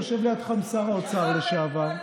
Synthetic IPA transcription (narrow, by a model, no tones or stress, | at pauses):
oʃevlejot̪χamsaʁot͡saʁleʃaavaʁ